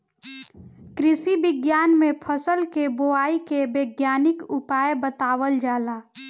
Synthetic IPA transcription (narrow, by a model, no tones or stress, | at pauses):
kɾɪsibɪɡjaːnmẽpʰəsəlkeboaːikebeːɡjaːnɪkʊpaːjbət̪aːwəld͡ʒaːlaː